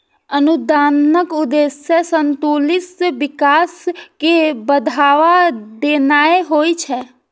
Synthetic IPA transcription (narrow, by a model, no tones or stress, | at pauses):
ənud̪aːnəkʊd̪esesənt̪oːlɪsʋɪkaːskebəd̪ʱaːʋad̪enaːeɦoːit͡ʃʰɛ